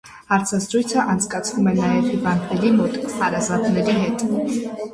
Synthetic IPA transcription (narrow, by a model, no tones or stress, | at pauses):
hɑɾt͡sʰazɾujt͡sʰaʔɑnt͡sʰkʼɑt͡sʰvumɛnɑjɛtʰibɑnkʰnɛɾimɔt̪ʼɑɾɑzɑt̪ʼnɛɾiɦɛt̪ʼ